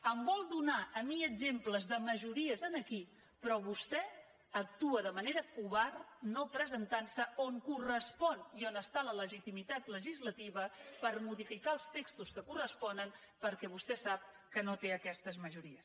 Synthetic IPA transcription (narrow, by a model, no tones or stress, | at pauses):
əmbɔlˠd̪unaʔəmiəɡzempləzðəməʒuɾiəzənəki | pɾɔβust̪ɛ | ək̚t̪uəðəməneɾəkuβarnopɾəzənt̪ansəoŋkurəspɔnionəst̪alələʒit̪imit̪at̪ləʒizlət̪iβəpəɾmuðifikaəlˠst̪ekst̪uskəkurəspɔnəm | pəɾkɛβust̪ɛsap̚ | kənot̪eəkɛst̪əzməʒuɾiəs